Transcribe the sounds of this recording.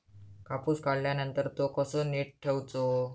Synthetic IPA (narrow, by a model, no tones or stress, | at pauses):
kapuːskaɽljanənt̪əɾt̪okəsoneʈ̚ʈʰːewt͡so